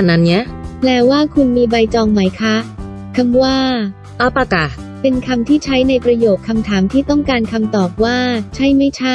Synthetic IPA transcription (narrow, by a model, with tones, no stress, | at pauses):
nːa˦˥nɲi˦˥plɛː˦˧˥waː˥˩kʰu˧nmiː˧ba˧jt͡ɕɔː˧ŋma˦˥jkʰa˦˥ | kʰa˧mwaː˥˩ | ʔa˧˥˩pa˧˩ka˨˩ | pe˧nkʰa˧mt̪ʰiː˥˩t͡ɕʰa˦˥jna˧jpɾa˧joː˨˩kʰːa˧mt̪ʰaː˩˦mt̪ʰiː˥˩t̪ɔ˥˩ŋkaː˧nkʰa˧mt̪ɔː˨˩p̚waː˥˩t͡ɕʰa˥˩jma˥˩jt͡ɕʰa˥˩